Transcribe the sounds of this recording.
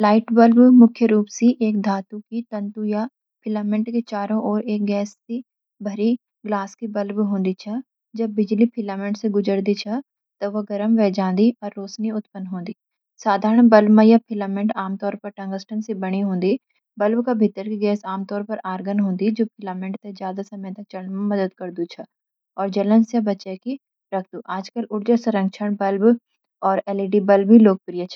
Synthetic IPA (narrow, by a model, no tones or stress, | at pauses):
laːɪʈbəlbmʊkʰjəɾuːpsiʔeːk̚d̪ʱaːt̪ukiʈə̃ɳʈuja | pʰɪlaːmɪ̃ɳʈket͡ʃaːɾõʔɔːɾeːk̚ɡɛːsːĩ | bʱɐɾi | ɡlaːskibɐlbɦõːnd̪it͡ʃʰɐ | d͡ʒɐbːɪd͡ʒlipʰɪlaːmẽɳʈseɡʊd͡ʒəɾd̪it͡ʃʰɐ | t̪ɐʋəɡɐɾəmʋɛːd͡ʒãːnd̪iɔːɾːoːsniʊt̪pənɦõːnd̪iː | saːd̪ʱaːɾəɳbɐlbmãjapʰɪlaːmẽɳʈaːmt̪ɔːɾpɐɾʈɐ̃ŋɡəsʈənsebɐɽ̃iɦõːnd̪i | bɐlbkabʱɪt̪ːəɾkiɡɛːsaːmt̪ɔːɾpɐɾaːɾɡənɦõːnd̪id͡ʒoːpʰɪlaːmẽɳʈt̪ezjaːd̪asɐməjt̪ɐk̚t͡ʃɐlnmẽmɐd̪əd̪kɐɾd̪ut͡ʃʰɐ | ɔːɾd͡ʒɐlə̃nsjəbɐt͡ʃɛki | ɾɐkʰd̪uʔaːd͡ʒkəlʔʊɾd͡ʒəsɐɾə̃ŋɡt͡ʃʰəɽ̃bɐlb | ɔːɾɛːliɖibɐlbiloːk̚pɾijət͡ʃʰɐ